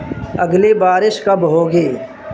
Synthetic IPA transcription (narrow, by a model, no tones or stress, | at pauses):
ɐɡlebaːɾɪʃkɐbɦoːɡeː